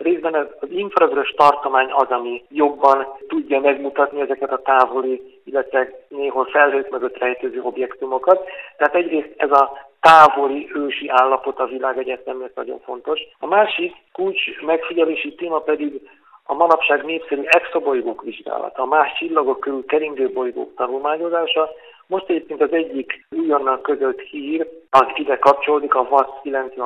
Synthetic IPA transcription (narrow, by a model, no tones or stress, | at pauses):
reːzbɛnɛzɒziɱfrɒɡɾoʃt̪ɒrt̪o̞maːɲɒzɒmijo̞bːɒnt̪uɟːɒmɛɡmut̪ɒt̪niɛzɛkɛt̪ɒt̪aːvo̞li | ilːɛt̪ʋɛneːɦolfɛlɦøːt̪møɡøt̪rɛjt̪øːzøːo̞bjɛkt̪umo̞kɒt̪ːɛɦaːt̪ɛɟreːst̪ɛzɒt̪aːvo̞liøːʃiʔaːlːɒpo̞t̪ɒvilaːɡɛɟɛt̪ɛmɛk̪nɒ̰ɟo̞̰ɱfo̞̰nt̪o̞ʃɒmaːʃikːult͡ʃmɛkfiɟɛleːʃit̪eːmɒpɛd̪iɡ | ɒmɒnɒpʃaːɡneːpsɛɾyɛksobo̞jɡoːkʋiʒɡa̰ːlɒ̰t̪ɒːmaːʃt͡ʃilːɒɡo̞kːøɾylkɛɾiŋɡ̪øːbo̞jɡo̰ːkt̪ɒnulmaːɲo̞zaːʃɒ | mo̞ʃt̪ɛɟeːp̚keːnt̪ɒzɛɟːikujonːɒkːø̞zøt̪hiːrɒzid̪ɛkɒpt͡ʃoloːd̪ikɒvɒskilɛnt̪sʋɛ